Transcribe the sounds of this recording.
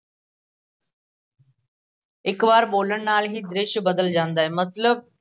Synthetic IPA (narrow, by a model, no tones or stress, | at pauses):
ɪkʋaːɾɓoːləɽ̃naːlɦid̪ɾɪʃbɐd̪əld͡ʑãːnd̪aːɦeːmɐt̪ləb̚